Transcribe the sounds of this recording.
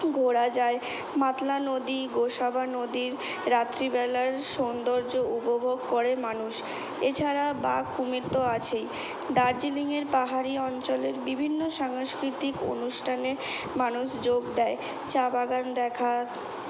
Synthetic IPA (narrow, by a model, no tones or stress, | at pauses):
ɡʱoɽad͡ʑae | mat̪lanod̪iɡoʃabʱanod̪iɾː | at̪ːɾibɛlaɾʃond̪oɾd͡ʑoupobʱoɡkoɾemanuʃ | et͡ɕʰaɾabakumiɾt̪oat͡ɕʰej | d̪aɾd͡ʑiliŋeɾpaɦaɾiɔnt͡ɕoleɾbibʱinːoʃaŋʃkɾit̪iko̰nuʃʈʰane | manuʃd͡ʑoɡd̪ɛe | t͡ɕabaɡand̪ɛkʰa